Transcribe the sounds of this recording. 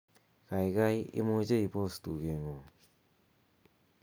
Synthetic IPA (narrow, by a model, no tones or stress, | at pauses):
kajɡajḭmod͡ʒeipostuɡeŋo